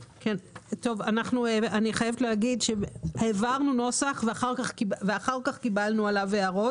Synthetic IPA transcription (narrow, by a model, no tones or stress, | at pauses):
kento̞vanaχnueaniχajevetleaɡidʃeheːvaʁnuno̞saχveaχaʁkaχkibveaχaʁkaχkibalnualaveaʁo̞t